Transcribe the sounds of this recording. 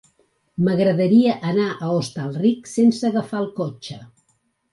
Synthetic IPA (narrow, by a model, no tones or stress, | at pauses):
məɣɾəðəɾiəʔənaʔəost̪alˠriksensəɣəfalˠkot͡ʃə